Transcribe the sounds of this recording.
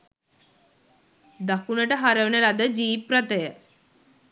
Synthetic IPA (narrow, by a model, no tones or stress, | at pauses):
d̪akunəʈəɦaɾəʋənəlad̪əd͡ʒiːpɾət̪əjə